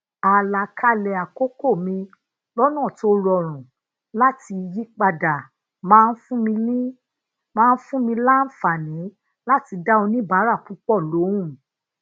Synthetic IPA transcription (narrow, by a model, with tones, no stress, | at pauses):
a˨la˨kʰa˦˨lɛ˨a˨ko˦ko˦˨mĩ˧ | lɔ˦nã˦˨to˦ɾɔ˧˨ɾ̃ɔ̃˨ | la˦ti˧ji˦k͡pa˧da˨ | mãː˦˧n̩˦fũ˦mĩ˧ĩ˦ | mãː˦˧n̩˦fũ˦mĩ˧la˦n̩˦fa˨nĩ˨˦ | la˦ti˧da˦o˧nĩ˦ba˨˦ɾa˦˨k͡pu˨˦k͡pɔ˦˨lo˨˦ũ˦˨